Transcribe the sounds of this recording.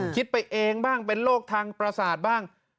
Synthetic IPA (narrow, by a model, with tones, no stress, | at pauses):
kʰi˦˥t̪̚pa˧jʔeː˧ŋbaː˥˩ŋpe˧nloː˥˩k̚t̪ʰaː˧ŋpɾa˧saː˨˩t̪̚baː˥˩ŋ